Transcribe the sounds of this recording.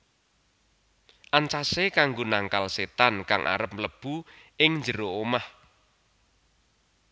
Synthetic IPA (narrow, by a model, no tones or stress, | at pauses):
ʔant͡ʃasekaŋɡonaŋkalset̪ankaŋʔa̰ɾəp̚mləb̥uʔɪŋɲd͡ʒəɾoomah